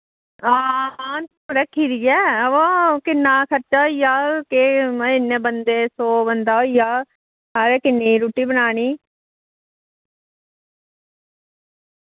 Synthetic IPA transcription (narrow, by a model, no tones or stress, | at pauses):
aː | ɾəkʰiːɾɪjɛːəʋãːkɪnːaːkʰəɾt͡ʃaːoijaːkeɪnːẽːbənd̪eːsoːbənd̪aːɦoijaː | ɦaːɾeːkɪnːiːɾuːʈiːbənaːniː